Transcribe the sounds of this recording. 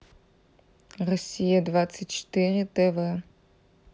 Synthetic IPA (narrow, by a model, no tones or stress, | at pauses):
rɔsʲijɐdvat̪sɨtʲt͡ʃɪ̥t̪ɨrʲit̪ɛvɐ